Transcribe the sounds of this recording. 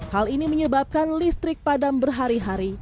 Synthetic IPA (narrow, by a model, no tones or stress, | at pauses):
haliniməɲəbap̚kanlist̪ɾɪk̚padambərɦaɾiɦaɾi